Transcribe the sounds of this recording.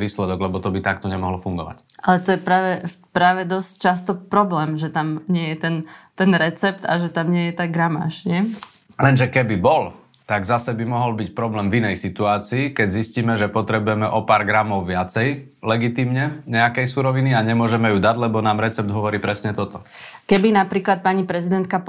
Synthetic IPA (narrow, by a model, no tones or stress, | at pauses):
ʋiːslɛd̪ɔɡlɛbɔt̪ɔbit̪akt̪ɔɲɛmɔɦlɔfuŋɡɔʋa̰cʔalɛt̪ɔjɛpɾaːʋɛpɾaːʋɛd̪ɔsct͡ʃas̬t̪ɔpɾɔblɛːmʒɛt̪amɲɪɛjɛt̪ɛnt̪ɛnɾɛt͡sɛpt̪a̰ʒɛt̪amɲɪɛjɛt̪aɡɡɾama̰ʃɲɪɛ | lɛnʒɛkɛbibɔl | t̪aɡzasɛbimɔɦɔlbicpɾɔblɛːmvinɛjsit̪uaːt͡siːkɛɟzisciːmɛʒɛpɔt̪ɾɛbujɛmɛʔɔpaːɾɡɾamɔʊʋɪat͡sɛj | lɛɡit̪iːmɲɛɲɛakɛjsuɾɔʋiniaɲɛmʊɔʒɛmɛjud̪aɟlɛbɔnaːmɾɛt͡sɛb̚d̪ɦɔʋɔɾiːpɾɛsɲɛt̪ɔt̪ɔkɛbinapɾiːklat̪̚paɲipɾɛzid̪ɛnt̪̚ka